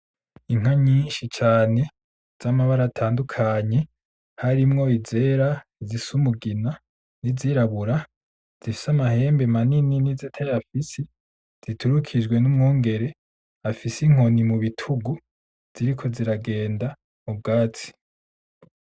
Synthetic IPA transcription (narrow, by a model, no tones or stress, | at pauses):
iŋ̥haɲiːnʃit͡ʃaːne̞ | z̥amaβaɾatʰaːndukʰaɲe̞ | haɾimŋo̞ize̞ɾaizisumuɡina | niziɾaβuɾa | z̥ifi̥samahe̞ːmbemanininizitʰajafisi | z̥itʰuɾukʰid͡ʒɡwe̞numŋuːŋɡe̞ɾe̞ | afisiŋ̥o̞nimuβitʰuɡu | z̥iɾikʰo̞ziɾaɡe̞ːnda | mub̚ɡaːt͡si̥